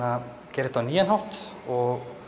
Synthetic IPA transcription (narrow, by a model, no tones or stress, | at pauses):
a | cɛːɾɪ̥ht̪awniːjanhɔwht̪ɔɣ